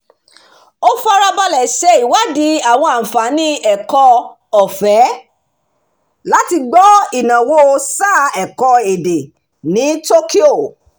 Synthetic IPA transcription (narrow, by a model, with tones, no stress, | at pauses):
o˦fa˦ɾa˧ba˧lɛ˨ʃɛ˧˦i˨wa˨˦di˨˦a˨w̃ɔ̃˧ã˨fa˨˦nĩ˦ɛ˨kɔ˧ | ɔ˨fɛ˨˦ | la˦ti˧ɡ͡bɔ˦i˨nã˨wo˦˧sa˦˨ɛ˨kɔ˧e˨de˨ | nĩ˨˦to˦ki˦o˦˨